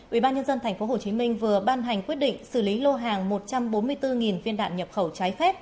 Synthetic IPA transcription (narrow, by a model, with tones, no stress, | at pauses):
ʔḭ˧˩ɓaː˧nɲə˧nzə˧nt̪ʰɛ˨˩ŋ̟fo˨˦ho˨˩t͡ɕi˨˦mï˧ŋ̟vɨ˨˩əɓaː˧nɦa˨˩jŋ̟kwət̚ɗḭ˧˨ŋ̟sɨ˧˩li˨˦lo˧ɦaː˨˩ŋmo˨˩t̚t͡ɕa˧mɓo˨˦nmɨ˧əjt̪ɨ˧ŋi˨˩nvi˧ənɗa̰ː˧˨nɲə˨˩p̚xə˧˩wt͡ɕaː˨˦jfɛ˦˥p̚